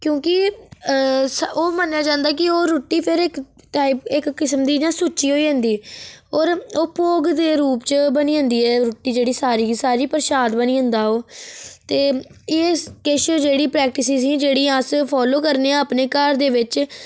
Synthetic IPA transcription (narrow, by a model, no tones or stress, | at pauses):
kjõːkɪ | soːmənjaːd͡ʒãːnd̪aːkɪoːɾoːʈːiːpʰɪɾɪkʈaːɪpɪkːɪsəmd̪iːd͡ʒãːsuːt͡ʃːiːɦoːiːə̃ːnd̪iːoːɾoːpoːɡd̪eːɾuːpt͡ʃbənĩːə̃ːnd̪iːɛːɾoːʈːiːd͡ʒeːɽiːsaːɾiːsaːɾiːpəɾʃaːd̪bəniːɦə̃nd̪aːoːt̪eː | eːkɪʃd͡ʒeːɽiːpɾɛːk̚ʈɪsiːsĩːd͡ʒeːɽiːəspʰɔːloːkəɾneːãːəpneːkaːɾd̪eːʋɪt͡ʃ